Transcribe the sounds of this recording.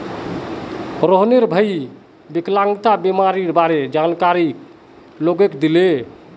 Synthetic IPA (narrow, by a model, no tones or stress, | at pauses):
ɾoɦneɾbʱəj | beklãŋɡt̪abemaɾiɾbaɾed͡ʒankaɾik | loɡekd̪ile